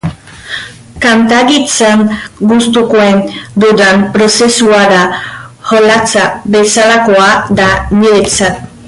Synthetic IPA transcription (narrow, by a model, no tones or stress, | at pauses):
kant̪aɣit͡sanɡust̪ukoend̪ud̪ampɾo̞se̞suaðaho̞lat͡saβe̞salako̞ad̪aniɾet͡sat̪